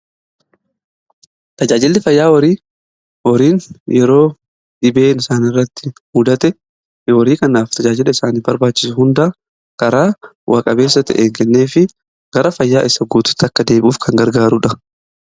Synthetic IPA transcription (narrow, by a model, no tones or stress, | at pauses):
t̪ɐd͡ʒaːd͡ʒɪlːɪfɐjːaːwɐɾiː | wɔɾiːnjʔɛɾo̞ː | ᶑɪbe̞ːnɪsaːnɪrːɐt̪ːɪ̥hʊd̪ɐt̪ɛ | wɔɾiːkɐnaːft̪ʰɐd͡ʒaːd͡ʒɪlɐɪsaːniːbɐɾbaːt͡ʃːɪ̥sʊhʊnd̪aː | kɐɾaː | wʔaːkʼɐbe̞ːsːɐt̪ɛ̰ʔeːŋkɛnːeːfɪ | ɡ̥ɐɾɐfɐjːaːʔɪsːɐɡuːt̪ʊ̥t̪ːɐkːɐd̪e̞ːbuːfkʰɐŋɡɐɾɡaːɾʊᶑɐ